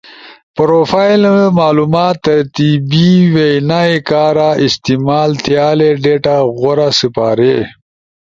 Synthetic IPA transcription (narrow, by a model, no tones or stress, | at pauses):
pɾofajlmaːlumaːt̪ːɐɾt̪ibiwejnaekaːɾaɪst̪imaːlt̪jaːleɖeʈaɣoɾasipaːɾe